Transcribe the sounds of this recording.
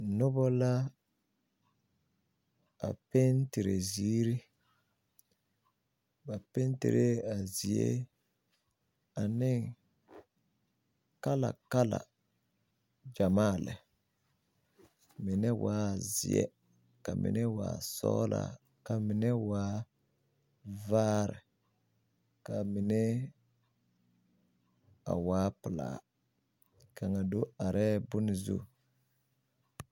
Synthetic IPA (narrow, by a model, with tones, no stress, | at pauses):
nʊ˦bɔ˦la˦ | a̰˨pe˦ntɪ˨ɾe˨ziː˦ɾi˦ | ba˨pe˦ntɪ̰˨ɾe˦a˨zi˨ḛ˦ | a˨nɪ˦ | ka˦la̰˨ka˦la̰˨ | d͡ʒa˨maː˦˨lɛ̰˨ | mɪ˨nɛ˦wʔaː˦˨zɪ˨ɛ̰˦ | ka˨mʔɪ̰˨nɛ˦wa̰ː˨sɔ̰ː˦lʔa̰˨ | ka˨mɪ˨nɛ˦waː˦ | vaː˦ɾɪ˨ | ka˨mɪ˨nɛ˦ | a˨waː˨˦pɪ˨la̰ː˨˦ | kʰa˨ŋa˨do˦a˨ɾʔɛ˦bʊ˦nɪ˦zṵ˦˨